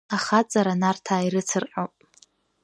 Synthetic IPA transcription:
aχat͡sʼaɾanartʰaːiɾɨt͡sʰɨrħʼowpʼ

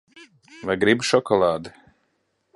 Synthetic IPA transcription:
vajɡɾibʃɔkɔlˠaːd̪i

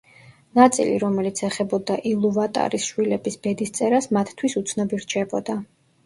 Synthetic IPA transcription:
nat̪sʼḭlḭɾɔmɛlit̪sʰɛχɛbɔd̪aʔilˠuvat̪ʼa̰ɾisʃwilɛbisb̥ɛd̪ist̪sʼɛɾasmat̪ʰt̪ʰwisut̪sʰnɔbiɾt͡ʃʰɛbɔd̪a

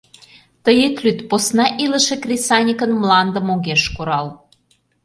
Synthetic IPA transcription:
t̪əjet̪lʲyt̪posnɑʔilə̆ʃekrʲisɑnʲikənmlɑnd̪ə̆moɣeʃkuɾɑl

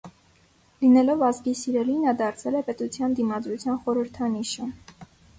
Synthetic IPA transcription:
linɛlɔvɑzɡisiɾɛlinɑd̪ɑɾt͡sʰɛlɛpɛt̪ut͡sʰjɑnd̪imɑd̪ɾut͡sʰjɑnχɔɾəɾt̪ʰɑniʃə

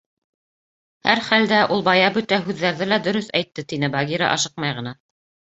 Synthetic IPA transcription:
hæ̰ɾχæld̪æʔulˠbɑjɑbɵt̪æɦʉðːæɾðɘlæd̪ɵ̆ɾɵθæjt̪ːɘt̪inɘbɑɡʲiɾɑ̰ʔɑ̰ʃɤq̚mɑjʁɤ̆nɑ

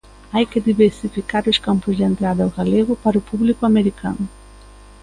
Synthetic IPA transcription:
ajkɪd̪iβeɾsifikaɾʊskampʊzd̪ent̪ɾad̪ɐwɣaleɣʊpaɾʊpuβlikʊameɾikʰa̰nʊ

